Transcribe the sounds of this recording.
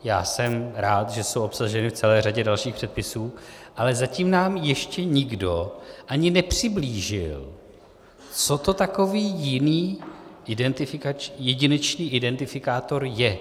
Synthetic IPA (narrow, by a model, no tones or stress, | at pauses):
ja̰ːsɛmɾaːt̪ʒɛso̞wʔo̞psaʒɛnɪft͡sɛlɛːraɟɛdalʃiːxpr̥ɛt̪̚pɪsuːʔalɛzaciːmnaːmjɛʃcɛɲɪɡdo̞ʔaɲɪnɛpr̝̥ɪbliːʒɪl | t͡so̞t̪o̞t̪ako̞viːjɪniːʔɪdɛnt̪ɪfɪkat͡ʃjɛɟɪnɛt͡ʃniːʔɪdɛnt̪ɪfɪkaːt̪o̞ɾjɛ